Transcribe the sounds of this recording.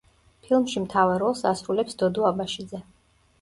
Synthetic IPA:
pʰilˠmʃimt̪ʰavaɾɔlˠsasɾulɛpsd̪ɔd̪ɔabaʃid̪zɛ

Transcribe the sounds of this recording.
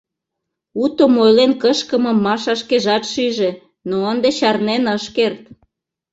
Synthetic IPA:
ut̪omojlenkəʃkə̆məmːɑʃɑʃkeʒɑt̪ʃyʒe | noənd̪et͡ɕɑrnenəʃkert̪

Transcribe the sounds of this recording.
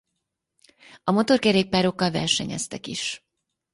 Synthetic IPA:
ɒmo̞t̪o̞rkɛɾeːk̚paːɾo̞kːɒlvɛ̰rʃɛɲɛ̰st̪ɛkiʃ

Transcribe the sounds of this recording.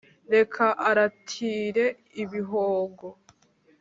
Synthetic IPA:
ɾe̞kʰaʔaɾatʰiːɾe̞ | iβiɦoːɡo

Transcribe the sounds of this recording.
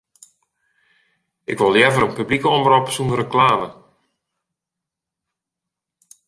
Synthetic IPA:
ʔɪkʋɔlˠjɛvəɾənpyblikəɔmrɔpsunərəklaːmə

